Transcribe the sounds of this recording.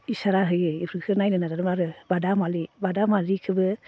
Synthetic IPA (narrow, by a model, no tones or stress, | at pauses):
isaɾaɦɯjɯipʰɾɯkʰɯnajnɯnaɾaɾɯmaɾɯbadamalibadamaɾikʰɯbɯ